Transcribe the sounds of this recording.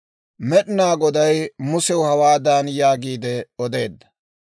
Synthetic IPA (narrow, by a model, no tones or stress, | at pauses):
mɛɗɪnaːɡɔd̪ɐjmʊsɛwʊhɐwaːd̪aːnjaːɡiːd̪ɛɔd̪e̞ːd̪ːɐ̥